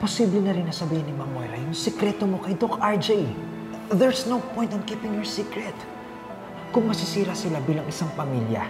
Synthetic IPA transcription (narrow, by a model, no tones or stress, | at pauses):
posiblɛnɐɾɪnːɐsɐbiːhɪnɪmɐmwɛɾɐjʊŋsɛkɾɛt̪omo̞kɐjd̪okʔaɹd͡ʒej | ðɛɹsnowpõj̃nt̪ɔnkipɪŋjoɹsikɹɛt̪ | kʊŋmɐsɪsiːɾɐsɪlabiːlɐŋʔɪsaŋpɐmiljɐ̰